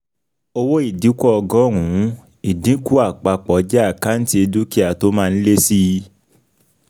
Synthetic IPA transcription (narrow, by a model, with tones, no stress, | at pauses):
o˧wo˦i˦˨di˨˦kʷɔ˦ɔ˧ɡɔ̃˦˨ɾ̃ũ˨˦ | i˨dĩ˨˦ku˦a˦˨k͡pa˧k͡pɔ˨˦d͡ʒɛ˦a˦˨ka˦n̩˦ti˦e˧du˦ki˦a˨to˦mãː˦˧n̩˦le˦si˦˧